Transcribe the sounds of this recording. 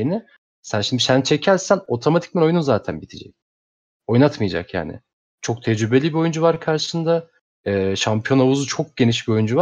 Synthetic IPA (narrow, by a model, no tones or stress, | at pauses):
enɪ | sænʃimd̪isænt͡ʃʰe̞cʰælʲsæno̞t̪ʰo̞mat̪ʰi̥c̚bino̞jununzaːt̪ʰænbit̪ʰid͡ʒɛ̰c̚ | o̞jnat̪majad͡ʒa̰kja̰ːnɪ̰ | t͡ʃʰo̞k̚t̪ʰɛd͡ʒɾybe̞lʲibio̞jund͡ʒuvaɾkʰaɾʃɯ̥sɯnd̪a | ɛːʃampʰijo̞navuzut͡ʃʰo̞k̚ɟ̥e̞niʃbio̞jund͡ʒuvaɾ